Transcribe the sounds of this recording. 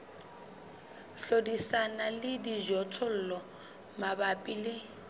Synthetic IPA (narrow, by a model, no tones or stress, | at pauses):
ɬodisanalɪdiʒɔtʰɔl̩lɔ | mabapʼilɪ